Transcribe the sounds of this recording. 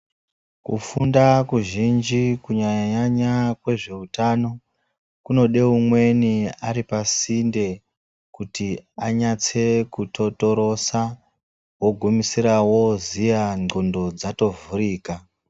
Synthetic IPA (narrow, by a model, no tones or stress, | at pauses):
kufundakuʒind͡ʒikuɲaɲaɲakwe̞ʐe̞utano̞ | kuno̞ɗe̞umwe̞niaɾipasinde̞ | kutiaɲat͡se̞kuto̞to̞ɾo̞sa | woɡʱumisiɾawo̞zijaŋo̞ndo̞d͡zato̞vuriːka